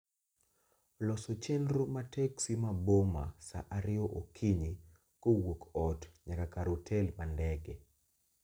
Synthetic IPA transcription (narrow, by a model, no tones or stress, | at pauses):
lɔsɔt͡ʃɛndɾomatɛksimaboma̰sa̰ʔaɾɪɔʔokʰiɲi | kowokɔtɲakakaɾotʰɛlmandɛɡɛ